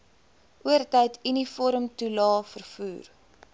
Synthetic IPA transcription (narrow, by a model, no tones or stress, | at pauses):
ʔuərtɛjtinifɔɾəmtulɑːfərfuːr